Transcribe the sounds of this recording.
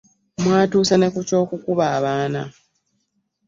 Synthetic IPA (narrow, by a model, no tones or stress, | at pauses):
mwaːtuːsane̞kuco̞ːkukuβaːβaːna̰